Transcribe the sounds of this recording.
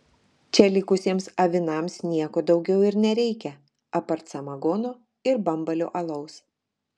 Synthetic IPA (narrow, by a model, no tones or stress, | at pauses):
t͡ʃʲɛlʲɪkʊsʲiːmsɐʋʲɪnɐˑmsnʲiɛkoːd̪ɒʊɡʲɛʊɪɾnʲɛɾʲɛɪkʲɛ | ɐpɐɾt̪sɐmɐɡoːnoː | ɪɾbɐmbɐlʲo̰ːʔɐlˠɐʊs